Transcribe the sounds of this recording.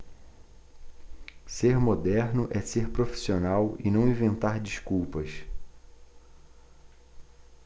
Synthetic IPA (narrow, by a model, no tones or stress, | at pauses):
seɾmod̪ɛɾnʊʔɛseɾpɾofi̥sionawɪ̰nɐ̃w̃ĩvẽnt̪aɾd͡ʒiʃkuwpɐs